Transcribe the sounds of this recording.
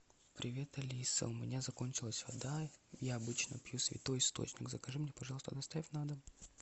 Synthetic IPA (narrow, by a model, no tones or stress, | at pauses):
pɾʲɪvʲe̞t̪ɐlʲisə̰ʊmʲɪnʲazɐkonʲt͡ɕɪlˠəsʲvɐd̪ajaɐbɨt͡ɕnə̰pjusʲvʲɪ̰t̪o̞jɪst̪o̰t͡ɕnʲɪkzəkɐʐɨmnʲepɐʒʐɑlˠəst̪əd̪ɐst̪avʲɪfʲnad̪ə